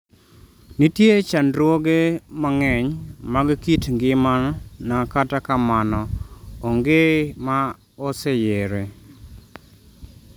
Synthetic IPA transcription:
nitjet͡ʃanɾwoɡemaŋɛɲmaɡkitŋɡɪmannakatakamanɔoŋɡema | ɔsejeɾe

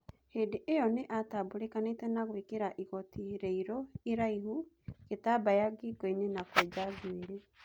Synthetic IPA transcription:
hedeʔejɔneʔatabuɾekanetɛnaɣwekeɾaʔiɣɔtiɾeiɾɔiɾaiɦu | ɣetabajaɡiɡɔinenakwɛd͡ʒazweɾe

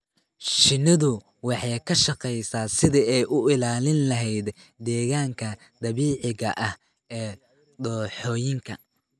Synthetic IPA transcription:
ʃɪnɪðʊ | wɑħɑjkʰɐʃɑqɛjsaːsɪðiɛjʔʊʔɪlaːlɪnlɐɦɛjd̪ | d̪ɛːɣaːŋkʰɐ | d̪̥ɐβiːʕɪɣɐʔɐh | ʔɛː | d̪ɔːħɔːjɪŋkʰɐ̰

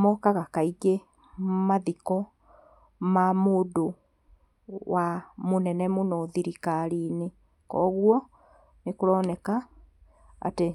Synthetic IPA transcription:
mɔkaɣakaiɡe | maðikɔ | mamoːdo | wamonɛnɛmonɔðiɾikaɾine | kɔːɣwɔ | nekoɾɔnɛka | a̰te

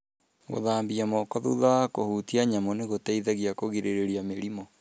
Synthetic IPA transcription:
ɣo̰ðaːmbiamɔkɔðṵðakohuːtiaɲamɔneɣotaiðaɣiakoɣiɾeɾeɾiameɾimɔ

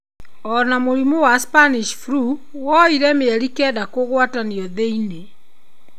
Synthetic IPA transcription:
ɔnamoɾimowaspaniʃfɾu | wɔiɾɛmeɛɾikɛdakoɣwataniɔðeine

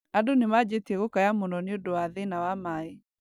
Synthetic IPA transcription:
adonemad͡ʑetiɛɣokajamonɔneodowaðenawamae

